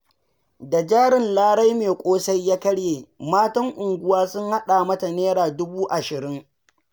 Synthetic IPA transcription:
da˨d͡ʒaː˦ɽɪ˨nlaː˦ɽa˦jmeː˨kʷʼoː˦sa˦jːaː˦kɐ˦ɽjeː˨maː˦tɐ˦ŋʔʊ˨ŋɡʷʊ˦waː˦sʊ˦ŋha˦ɗaː˨mɐ˦ta˨neː˦ɽaː˨dʊ˦buː˦ʔa˨ʃɪ˨ɾɪ˦ŋ

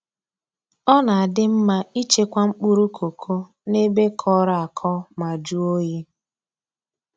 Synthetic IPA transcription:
ɔ˦na˨a˨dɪ˦m̩˦ma˦i˦t͡ʃe˦kʷa˦ŋ͡m̩˦k͡pu˦ɾu˦kʰo˨kʰo˦ | ne˦be˦kʰɔ˦ɾa˦˨a˨kʰɔ˦ma˨d͡ʒu˦o˦je˦

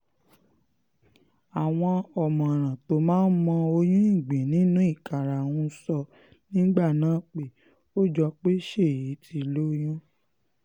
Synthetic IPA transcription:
a˨w̃ɔ̃˧ɔ˨mɔ̃˨ɾ̃ã˨to˨˦mãː˦n̩˦mɔ̃˧o˧j̃ũ˦ĩ˦˨ɡ͡bĩ˨nĩ˨˦nũ˦i˦˨ka˨ɾa˨wũ˧˦sɔ˧ | nĩ˦ɡ͡ba˦˨nãː˨˦˨k͡pe˨ | o˦˨d͡ʒɔ˧k͡pe˦ʃe˦˨ji˨˦tʰi˧˦lo˦j̃ũ˦

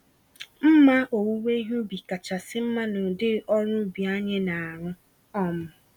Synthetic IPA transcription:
m̩˦ma˦ʔo˨wu˦we˦i˦ɦu˦bi˨ka˨t͡ʃa˨sɪ˦m̩˦ma˦no˨dɪ˦ɔ˦ɾʊ˦bi˨a˦ɲe˦na˨a˨ɾʊ˦ | ɔ˦mʊ˨

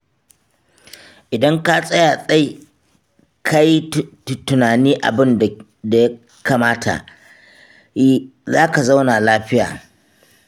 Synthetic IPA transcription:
ʔɪ˨dɐ˦ŋka˦sʼɐ˦jaː˨sʼa˦j | kʰa˦j | tʊ˨naː˨niː˦ʔa̰˨bɪ˦n˨ | da˨ja˦ | kaː˨maː˦tʰa̰˨ʔ | zaː˦ka˨za˦wnaː˨laː˦ɸɪ˦ja̰ː˨

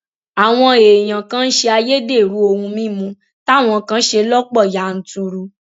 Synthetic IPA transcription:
a˨w̃ɔ̃˧e˨j̃ã˨kã˦n̩˦ʃe˧a˧je˦de˦˨ɾu˨˦o˧hũ˧mĩ˦˨mũ˧˦ | ta˦˨w̃ɔ̃˧kã˦ʃe˧lɔ˦k͡pɔ˦˨ja˨n̩˨tu˧ɾu˧

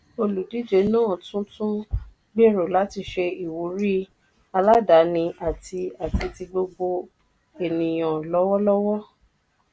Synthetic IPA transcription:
o˧lu˨di˨˦d͡ʒe˨˦nãː˦˨tũ˦tũ˦ | ɡ͡be˦˨ɾo˨la˨˦ti˧ʃe˧i˨wu˨˦ɾi˦ | a˧la˦da˨˦nĩ˧a˨ti˧a˨ti˧ti˧ɡ͡bo˧ɡ͡bo˧ | e˨nĩ˨j̃ã˨lɔ˦wɔ˦lɔ˦wɔ˦

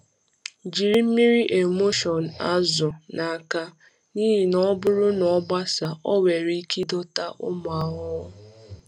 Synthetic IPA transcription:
d͡ʒi˨ɾi˦m̩˦mi˦ɾi˦ʔe˨mo˦ʃɔ˨n̩˨a˦zʊ˨na˨ka˦ | niː˦ɦi˨nɔ˦bʊ˦ɾʊ˦nɔ˨˦ɡ͡ba˦sa˨ʔɔ˦we˨ɾi˦i˦ki˦dɔ˦ta˦ʔʊ˦mʊ˨a˨ɦɔ˦

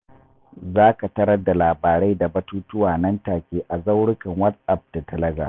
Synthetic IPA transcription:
zaː˦ka˨tɐ˦ɽɐ˦dːa˨laː˨baː˨ɽa˦jda˨bɐ˦tuː˦tʊ˦waː˨nɐ˦ntaː˨kʲeː˦ʔa˨za˦wɽʊ˦kɐ˨ŋwɐ˦tʔa˦˨p̚d̥a˨tɐ˦lɐ˦ɡa̰˨

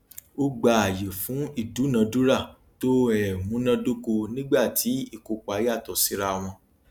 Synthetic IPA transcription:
o˦ɡ͡ba˧˨a˨je˨fũ˨˦i˦˨du˨˦nã˧du˦ɾa˦˨ | to˦ɛ˨mũ˨˦nã˧do˦ko˧nĩ˦ɡ͡ba˦˨tʰi˨˦i˦˨ko˧ku˨a˨˧˦ja˦˨tɔ˨si˦ɾa˧˨w̃ɔ̃˧

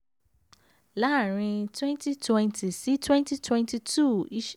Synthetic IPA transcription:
la˦˨ɾ̃ĩ˧twɛ̃˦nti˦twɛ̃˦˧nti˨si˨˦twɛ̃˦nti˦twɛ̃˦nti˧tu˦˨i˦ʃ

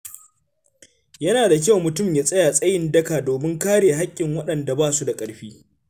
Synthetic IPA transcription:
jɐ˦naː˨da˨k̬ʲa˦˨wmʊ˨tʊ˦˨mjaː˨sʼɐ˦jaː˨sʼɐ˦jɪ˦˨ndɐ˦kaː˨doː˨mɪ˦ŋkaː˦ɽeː˨ɦa˦kʲʼːɪ˨ŋwɐ˦ɗɐ˨nda˨baː˦˨su˦da˨kʼɐ˨ɽɸiː˦

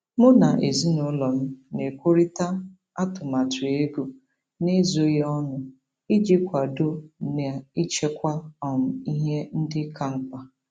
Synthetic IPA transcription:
mʊ˦na˨ʔe˨zi˦nʊ˨˦lɔ˨m̩˦ne˨kʷo˦ɾi˦ta˦ | a˦tʊ˨ma˨tʊ˨e˦ɡu˨ | ne˦zo˦jɔ˦nʊ˨ | i˦d͡ʒɪ˦kʷa˨do˦ne˨i˦t͡ʃe˦kʷa˦ɔ˨m̩˨i˦ɦe˦n̩˦dɪ˦ka˨ŋ͡m̩˦kʷa˨

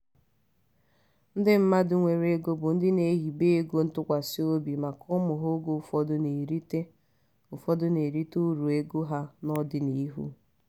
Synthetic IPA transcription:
n̩˦dɪ˦m̩˦ma˦dʊ˨ŋʷe˨ɾe˦ɡo˦bʊ˨n̩˦dɪ˦ne˨˦ɦi˨be˦e˦ɡo˦n̩˦tʊ˦kʷa˨sɪ˦o˦bi˨ma˨kʰʊ˦mʊ˨ɦʊ˦ɡo˦˨fɔ˦dʊ˦ne˨ɾi˦te˦ | ʊ˨fɔ˦dʊ˦ne˨ɾi˦tu˦ɾu˨e˦ɡo˦ɦa˦nɔ˦dɪ˨ni˦ɦṵ˦

